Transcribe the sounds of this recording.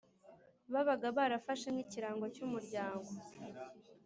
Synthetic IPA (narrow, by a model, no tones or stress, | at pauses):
βaβaɡaβaɾafaʃemhiciɾaːŋɡo̞cumuɾɟaːŋɡo̞